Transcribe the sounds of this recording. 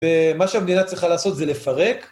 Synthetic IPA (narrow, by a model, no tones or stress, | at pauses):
vemaʃeamed̪inat̪t͡sʁiχalaːso̞t̪zelefaʁek